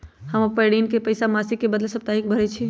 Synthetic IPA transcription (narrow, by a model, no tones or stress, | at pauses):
həməpəɪɽinkepəjsamasikːebəd̪lesəb̚t̪aɦik̚bʱəɾɛt͡ʃʰi